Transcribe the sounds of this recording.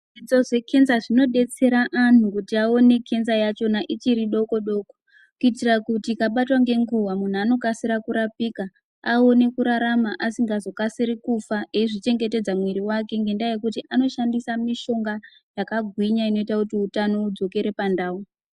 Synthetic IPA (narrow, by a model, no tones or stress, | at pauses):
ʐit͡so̞ʐe̞kʰe̞nzaʐino̞ɗe̞t͡se̞ɾaʔanukutiao̞ne̞kʰe̞nzajat͡ʃo̞naʔit͡ʃiɾiɗo̞ko̞ɗo̞ːko̥ | kuitirakutikaɓatwaŋɡe̞ŋɡuwamun̤uano̞kasiɾakuɾapiːka | aone̞kuɾaɾamaʔasiŋɡazo̞kasiɾikufaʔeiʐit͡ʃe̞ŋɡe̞te̞d͡zamwiɾiwake̞ŋɡe̞ndajekutiʔano̞ʃandisamiʃo̞ŋɡa | jakaɡʱwiɲaino̞itakutiutano̞ud͡zo̞ke̞ɾe̞pandaːu